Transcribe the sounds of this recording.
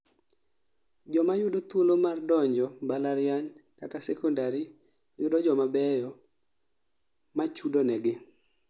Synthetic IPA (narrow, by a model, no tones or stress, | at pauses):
d͡ʒɔmajʊdot̪wolomardɔɲd͡ʒɔbalaɾjaɲkakasɛkɔndaɾi | jʊdɔd͡ʒɔmabɛjɔ | mat͡ʃudonɛɡɪ